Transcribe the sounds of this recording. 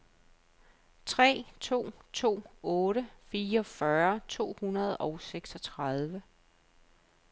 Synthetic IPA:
t͡sʰʁɛ̰ːt͡sʰo̝̰ːt͡sʰo̝̰ːɔ̽ːɾəfiːɐɒ̽fɶɐt͡sʰo̝̰ːhunɐð̞̩ˠɒ̽ʊseɡ̥sɒ̽t͡sʰʁɑð̞ˠʋə

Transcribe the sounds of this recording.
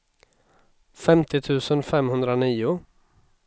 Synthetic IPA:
fɛmt̪ʰɪt̪ʰʉ̟ːsənfɛmhɵnd̪ɾaniːʊ

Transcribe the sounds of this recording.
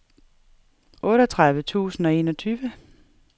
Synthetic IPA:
ʔɔ̽ːɾɒt͡sʰʁaðˠʋət͡sʰṵːsn̩ɒ̽e̝̰ːnɒt͡sʰyːʋə

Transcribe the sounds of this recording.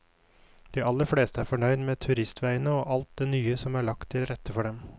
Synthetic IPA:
d̪̥iːʔɑlːəɾfleːst̪əæːɾfɔɳœʏd̪meːt̪ʰʉɾɪst̪ʋæɪənəoːʔɑlt̪̚d̪eːnyːəsɔmæːɭɑkt̪ʰːɪlɾɛt̪ʰəfɔɖɛm

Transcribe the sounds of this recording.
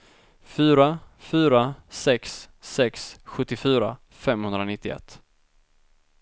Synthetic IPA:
fyːɾafyːɾasɛksːɛksɧɵt̪ːɪfyːɾa̰ | fɛmhɵnd̪ɾanɪt̪ːɪɛ̰t̪ː

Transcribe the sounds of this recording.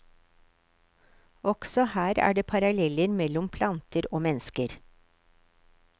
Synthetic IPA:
ɔɡ̥sɔhæːɾæ̰ːɖeːpʰɑɾɑlɛləɾmɛlɔmpʰlɑnt̪ʰəɾoːmɛnskəɾ

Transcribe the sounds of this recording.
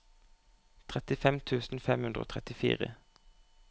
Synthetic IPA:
t̪ʰʁɛt̪ɪfɛmt̪ʰʉːsn̩fɛmhʉnd̪ʁəo̰ːt̪ʰʁɛt̪ɪfḭːʁə

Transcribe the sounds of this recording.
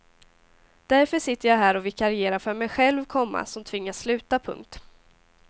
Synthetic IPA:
d̪̥æɾfœʂɪt̪ːəjaɦæːɾɔvɪkːaɾɪeːɾafœɾmɛjɧɛlvkʰɔmːa̰sɔmt̪ʰvɪŋːasslʉ̟ːt̪apʰɵ̰ŋk̚t̪

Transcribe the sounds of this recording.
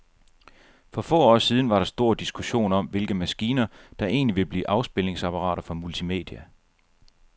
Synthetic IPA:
fɒ̽fɔ̰ːɒ̰ːsið̞ˠn̩ʋɑ̈ɾɑ̈sd̥o̝ɐ̰d̥isɡ̥uɕo̝̰ːnɒ̽mʋe̝lɡ̥əmæsɡ̥iːnɐd̥ɑ̈ʔe̝̰ːnliʋe̝b̥lḭːʔɑ̈ʊsb̥e̝le̝ŋsɑpʰɑ̈ʁɑ̰̈ːɾ̥ɐfɒ̽mult͡sʰime̝̰ːd̥iæ

